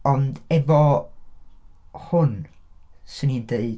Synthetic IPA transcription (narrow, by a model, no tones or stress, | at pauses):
ɔndɛvɔ | hʊn | sɪnindeɨ